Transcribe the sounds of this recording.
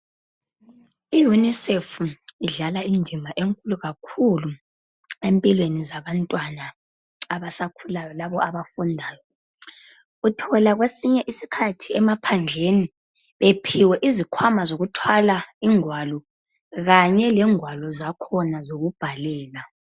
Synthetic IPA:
ijunisefuiɮalaindʱimaʔeŋkʼuluɣakʰulu | empʼilwenizaβantʼwanaː | βasakʰulajɔlaβɔaβafundʱaːjɔ | utʰɔlaɣwesiɲɛʔisi̥kʰatʰiɛmapʰand͡ɮʱeni | βepʰiwɛʔizikʰwamazoɣutʰwalaiŋwalɔ | ɣaɲɛlɛŋwalɔzakʰɔnazoɣub̥ʱalɛːla

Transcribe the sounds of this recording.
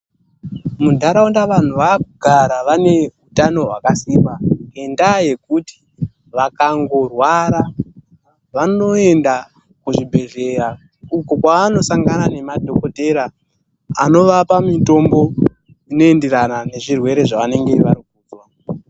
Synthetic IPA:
mudʱaɾaundaʋan̤uʋakuɡʱaɾaʋane̞utano̞ɦwakasiːmbaendaje̞kuti̥ | ʋakaŋɡo̞rwaɾa | ʋano̞e̞nda | kuʐibʱe̞ɮe̞ɾa | uko̞kwaːno̞saŋɡanane̞madʱoko̞te̞ɾa | a̰no̞ʋapamito̞mbo̞ | ino̞e̞ndeɾanane̞ʐirwe̞ɾe̞ʐaʋane̞ŋɡe̞ʋaɾik̚uːdwa

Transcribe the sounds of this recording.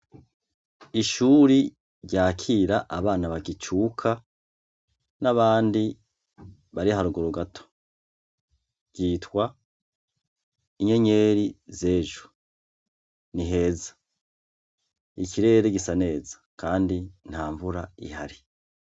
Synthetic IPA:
iʃuːɾi | ɾɟaːkʰiɾaʔaβaːnaβaɡit͡ʃuːkʰa | naβaːndi | βaɾihaɾuɡoɾuɡatʰo̥ | ɟ̥iːtwa | iɲe̞ɲe̞ːɾize̞ːʒu | niɦe̞ːzḁ | ikiɾe̞ːɾeɡisane̞ːzḁkaːndin̥haːɱvuɾa̰ḭha̰ɾi

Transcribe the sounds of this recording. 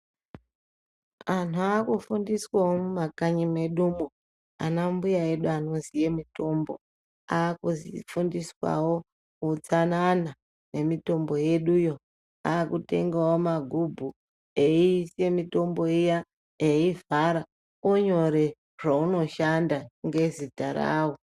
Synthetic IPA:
antuaːkufundiswawomumakaɲime̞ɗumu | a̰nambujae̞ɗuano̞zije̞mito̞mbo | aːkuzifundiswa̰wo̞ | ut͡sanana | ne̞mito̞mbo̞je̞ɗujo̞ | aːkute̞ŋɡawomaɡʱubʱu | eiːse̞mito̞mbo̞ija | eivaɾa | oɲo̞ɾe̞ | ʐ̥auno̞ʃandaŋɡe̞zitara̰ːwo

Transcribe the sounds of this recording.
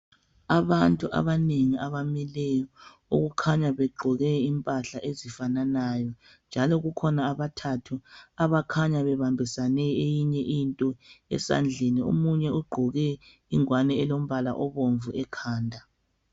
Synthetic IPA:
aβantʼuʔa̰βaneŋiaβamilɛjɔ | ṵɣukʰaɲaβɛɡ͡ǃʱɔɣɛimpʼaɬaʔezifananaːjɔ | nd͡ʒʱalɔɣukʰɔnaːβatʰatʰuaβakʰaɲaβɛβambʱisanɛejiɲɛʔintʼɔɛ̰sa̰nd͡ɮʱenio̰muɲɛuɡ͡ǃʱɔɣɛ | iŋwanɛɛlom̩βala̰ʔɔβoɱvuɛkʰaːndʱa

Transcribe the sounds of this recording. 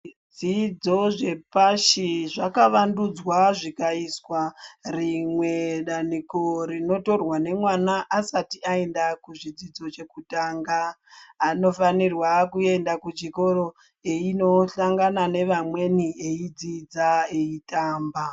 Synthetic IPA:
d͡zid͡zo̞ʐe̞paʃiʐakaʋandud͡zwaʐikaiswarimwe̞ɗaniko̞rino̞to̞rwane̞mwanaʔasatiʔae̞ndakuʐid͡zid͡zo̞t͡ʃe̞kutaːŋɡaː | no̞fanirwakue̞ndakut͡ʃiko̞ɾo̞ | eino̞ɬaŋɡanane̞ʋamwe̞nieid͡zid͡zaeitaːmba

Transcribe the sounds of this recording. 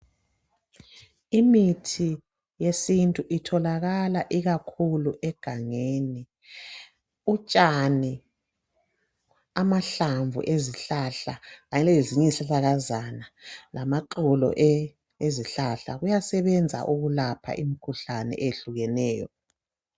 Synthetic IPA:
imitʰi | jesintʼuʔitʰɔlaɣalaʔiɣakʰuluʔɛɡ̥ʱaŋeni | ut͡ʃʼani | amaɬaɱvṵʔeziɬaɬaɣaɲɛlɛeziɲɛɬaɬaɣazanalamaǃulɔ̰ʔ | eziɬaɬa̰ɣujasɛβɛnd͡zʱa̰ʔuɣulapʰa̰ʔimikʰuɬanɛ̰ʔeɬuɣɛnɛːjɔ̰

